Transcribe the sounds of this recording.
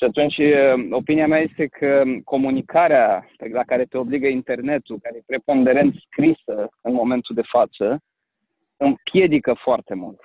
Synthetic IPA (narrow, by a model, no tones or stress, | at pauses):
ʃiat̪unt͡ʃʲəo̞piniameaje̞st̪e̞kʰəko̞munikʰaɾeapelakaɾe̞t̪e̞o̞bliɡəint̪e̞rne̞t̪ulkaɾejepɾe̞po̞nd̪e̞ɾe̞nt̪skɾisəɨnmo̞me̞nt̪uld̪e̞fat̪sə | ɨmpje̞d̪ikəfoart̪e̞mṵlt̪